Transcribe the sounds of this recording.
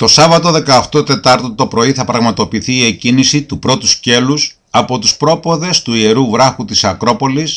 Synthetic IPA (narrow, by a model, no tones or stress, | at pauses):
t̪o̞sɐvɐt̪o̞ðe̞kɐːft̪o̞t̪e̞t̪ɐɾt̪ot̪o̞pɾo̞iθɐpɾɐɣmɐt̪o̞piθiːecinisit̪upɾo̞t̪usce̞lus | ɐpo̞t̪uspɾo̞po̞ðe̞st̪uie̞ɾuvɾɐxut̪isɐkɾo̞po̞lis